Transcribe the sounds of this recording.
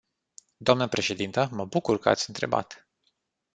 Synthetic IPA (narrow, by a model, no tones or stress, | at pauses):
d̪oamnəpɾe̞ʃe̞d̪int̪əməbukurkəa̰t̪sʲɨnt̪ɾe̞̰ba̰t̪